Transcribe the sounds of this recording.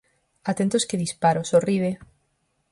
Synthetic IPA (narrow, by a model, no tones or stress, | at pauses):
at̪ent̪oskeðispaɾosoriβe